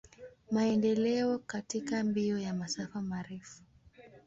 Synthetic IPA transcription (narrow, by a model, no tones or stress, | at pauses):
maɛndɛlɛɔkatikambiɔjamasafamaɾɛfu̥